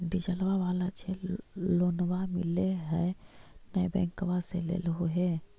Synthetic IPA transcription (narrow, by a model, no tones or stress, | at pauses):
ɖid͡ʒəlʋaʋaːlat͡ʃʰeloːnwamɪ̰leɦɛnəjbɛ̰̃ːŋkəʋaselḛːlɦoɦɛ